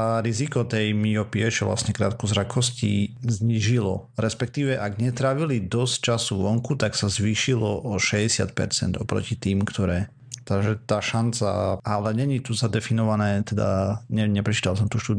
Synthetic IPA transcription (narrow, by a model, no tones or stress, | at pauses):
aɾizikɔt̪ɛjmiɔpiɛt͡ʃɔʋlʔa̰sɲɛkɾa̰ːt̪kuzɾakʰɔscḭzɲiːʒilɔ̰ɾɛspɛkt̪iːʋɛʔaɡɲɛt̪ɾaːʋilid̪ɔsct͡ʃasuʋɔŋkut̪aksazʋiːʃilɔʔɔʃɛɟɛsɪa̰t̪̚pɛ̰ɾt͡sɛ̰nd̪ɔpɾɔ̰cit̪iːmkt̪ɔɾɛː | t̪aʒɛt̪aːʃant͡sa̰alɛɲɛɲit̪uzad̪ɛfinɔʋanɛːt̪ɛd̪a̰ɲɛɲɛpɾɛt͡ʃi̥ːt̪als̬ɔmt̪uʃt̪uːd̪